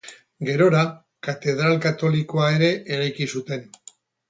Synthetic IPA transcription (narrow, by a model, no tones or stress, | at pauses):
ɡe̞ɾo̞ɾa | kat̪e̞ð̞ɾalkat̪o̞liko̞ae̞ɾe̞ʔeɾajkisut̪e̞n